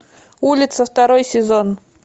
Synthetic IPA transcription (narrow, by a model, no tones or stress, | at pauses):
ulʲɪt̪səft̪ɐɾojsʲɪzon